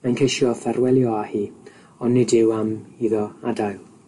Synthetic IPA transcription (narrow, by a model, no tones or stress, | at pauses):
majnkʰejʃjɔfɛrwɛlˠjɔahiː | ɔnːɪdɪwamiːðɔadajlˠ